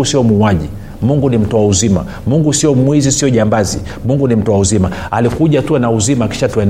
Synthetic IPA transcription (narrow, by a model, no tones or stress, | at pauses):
usiɔmuːaʄi | muŋɡunim̩tɔwauzima̰ | muŋɡusiɔmwizisiɔʄambazḭ | muŋɡunim̩tɔwauzimaalikuʄatuanauzimaːki̥ʃatwɛn